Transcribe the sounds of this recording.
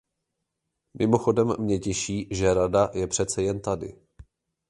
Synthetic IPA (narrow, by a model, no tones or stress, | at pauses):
mʔɪmo̞xo̞dɛmːɲɛcɛʃiːʒɛɾadajɛpr̝̥ɛt͡sɛjɛnt̪adɪ̰